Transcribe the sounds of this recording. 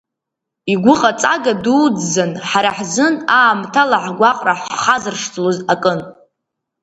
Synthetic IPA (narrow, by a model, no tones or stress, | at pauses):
iɡʷʊqʼat͡sʼa̰ɡaduːd͡zːanħaɾaħzɨnaːmtʰalaħɡʷaqʼraħχazɨrʂtʰlozakʼɨn